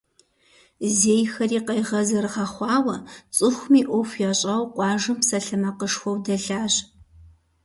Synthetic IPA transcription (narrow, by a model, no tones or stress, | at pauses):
zeːjxɐriːqɐjʁɐzɐɾɨʁɐχʷɑːwɐt͡sʼɨxʷmiːʔʷɔfjɛɕʼɐwqʷʼɑːʒɨmsɐɬɨmɐqəʂxʷɔwdɐɮaːʑ